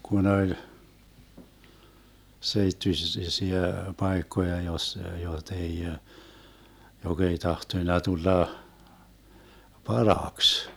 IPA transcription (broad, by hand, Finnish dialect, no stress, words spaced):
kun olʲ seitːysis siæ pɑekːojɑ jos jot ei jok ei tɑhtoĭnɑ tulːɑ pɑrɑːks